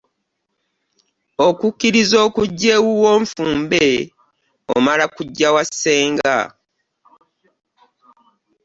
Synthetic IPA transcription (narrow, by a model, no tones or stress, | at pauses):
okukːiɾizo̞ːkuɟːe̞wuwo̞ːɱfuːmbe | o̰malakuɟːawasːe̞ːŋɡa̰